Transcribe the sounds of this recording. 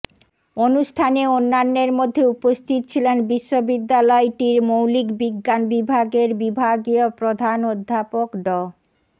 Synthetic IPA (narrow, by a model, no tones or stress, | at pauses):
onuʃʈʰaneonːanːeɾmod̪ʱːeupost̪ʰit̪ot͡ɕʰilenbiʃːobid̪ːalɔeʈiɾmowlikbiɡːanbibʱaɡeɾbibʱaɡiopɾod̪ʱanod̪ʱːapokɖɔ